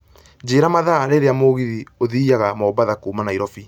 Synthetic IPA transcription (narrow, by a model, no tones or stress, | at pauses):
d͡ʑeːɾamaðaɾeɾeamoɣiðioðiaɣamɔːbaðakuːmanaiɾɔfi